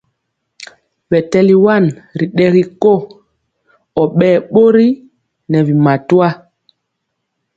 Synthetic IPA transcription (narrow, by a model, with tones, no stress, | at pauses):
vɛ˨tɛ˦li˦wa˦˨nɾi˨ɗɛ˦ɣi˦ko˦ | ɔ˨ɓɛː˦˨ɓo˦ɾi˦ | nɛ˨vi˨ma˨twa˦